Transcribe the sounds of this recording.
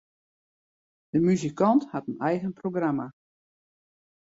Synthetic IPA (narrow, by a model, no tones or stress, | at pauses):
d̥əmyzikɑnthatənɛjɣənproɡrama